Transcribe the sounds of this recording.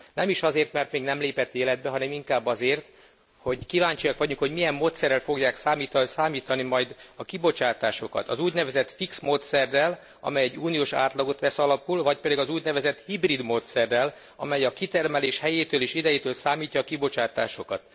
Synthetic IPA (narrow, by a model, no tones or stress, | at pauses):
nɛmiʃɒzeːrt̪mɛrt̪meːɡnɛmleːpɛt̪ːeːlɛd̪̚bɛɦɒnɛmiŋkaːbːɒzeːrt̪ | ho̞ɟkivaːɲt͡ʃiɒkʋɒɟuŋkho̞ɟmijɛmːoːt̪sɛrːɛlfo̞ɡjaːksaːmiːt̪saːmiːt̪ɒnimɒjd̪ɒkibo̞t͡ʃaːt̪aːʃo̞kɒ̰t̪ɒzuːɟnɛvɛzɛt̪fiksmoːt̪sɛrːɛl | ɒ̰mɛjɛɟːuːnijoːʃa̰ːt̪lɒɡo̞t̪ʋɛsɒlɒpulvɒc̚pɛd̪iɡɒzuːɟnɛvɛzɛt̪hibrid̪moːt̪sɛrːɛl | ɒ̰mɛjɒkit̪ɛrmɛleːʃhɛjeːt̪øːliːʃid̪ɛjit̪øːlsaːmiːcːɒːkibo̞t͡ʃaːt̪aːʃo̞kɒt̪